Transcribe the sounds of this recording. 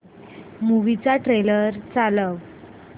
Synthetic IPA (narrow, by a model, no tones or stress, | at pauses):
muʋit͡saʈɾeləɾt͡saləʋ